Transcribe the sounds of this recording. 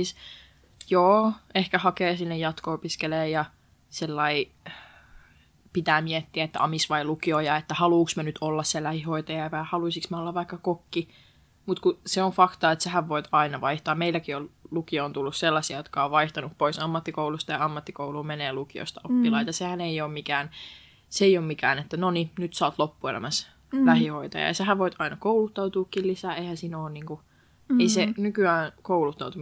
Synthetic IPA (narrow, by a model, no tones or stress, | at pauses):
iːs | joːehkæhɑkeːsinːejɑt̪koopiskeleːjɑ | selːɑi | pit̪æːmiɛt̪ːiæet̪ːæ̰ɑmisʋɑilukiojɑet̪ːæhɑluːksmønyt̪ʰolːɑsseelːæhihoit̪ɑjɑiʋæjɑhɑluisiksmeolːɑʋʋɑikːɑkokːi | mut̪kuseofɑkt̪ɑet̪sehæʋʋoit̪ɑinɑʋɑiht̪ɑːmmeilːækiollukioont̪ulːusselːɑsiɑjot̪kɑoʋʋɑiht̪ɑnuppoisɑmːɑt̪ːikoulust̪ɑjɑɑmːɑt̪ːikouluːmeneːlukio̰ist̪ɑopːilɑit̪ɑsehæneioːmmikæːn | seeioːmmikæːnet̪ːænoninyt̪sɑːt̪lopːuelʔæ̰mæs | læhihoit̪ɑ̰jɑ̰ɑseɦæʋʋoit̪ɑinɑkoulut̪ːɑuwt̪uːkːillisæːeihæ̃nsiːnoːnniːŋku | eisenykyæːnkoulut̪ːɑut̪u